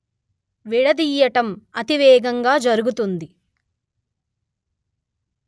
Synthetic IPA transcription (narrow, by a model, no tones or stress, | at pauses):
ʋiɽɐd̪iːjɐʈɐmɐt̪iʋɛːɡɐŋɡaːd͡ʒɐɾuɡut̪und̪i